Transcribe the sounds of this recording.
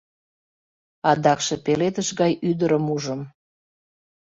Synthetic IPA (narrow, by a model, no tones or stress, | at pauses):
ɑd̪ɑkʃepelet̪əʃɣɑjʔyd̪əɾəmuʒəm